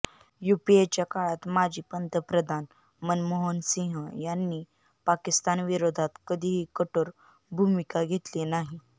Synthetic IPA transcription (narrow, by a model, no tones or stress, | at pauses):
jupiet͡ɕjakaɭat̪mad͡ʑʱiːpənt̪əpɾəd̪ʱan | mənmoɦənsĩɦəjanːiː | pakist̪anʋiɾod̪ʱat̪kəd̪ʱiːɦiːkəʈoɾ | bʱumikaɡʱet̪linaɦi